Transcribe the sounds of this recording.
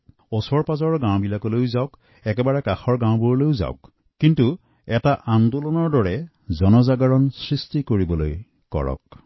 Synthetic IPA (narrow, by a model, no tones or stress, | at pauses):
osɔɹpazɔɹɡãw̃bilakɔlojzaʊk | ɛkɛbaɹɛkaxɔɹɡãw̃buɹlojza̰ʊkː | intu | ɛtaʔandulɔnɔɹdɔɹɛ | zɔnɔzaɡaɹɔnsɹistikoɹibɔloj | kɔ̰ɹɔ̰k̚